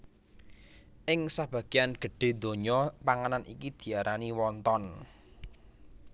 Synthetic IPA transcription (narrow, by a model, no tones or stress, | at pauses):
ʔɪŋsab̥ä̤ɡ̥i̤janɡ̥ə̤ɖ̥e̤d̪o̤ɲɔpaŋananʔḭkid̪̥i̤aɾʔaniwɔnt̪ɔn